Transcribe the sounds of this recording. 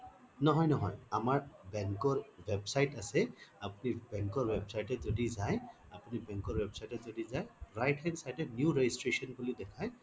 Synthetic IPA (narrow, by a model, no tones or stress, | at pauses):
nɔɦɔjnɔɦɔjamaɹbɛŋkɔɹwebsajʈasɛapunibɛŋkɔɹwebsajʈɛzɔdizaj | apunibɛŋkɔɹwebsajʈɛzɔdizajɹajʈansajdɛnjuɹed͡ʒisʈɹesɔnbulidɛkʰaj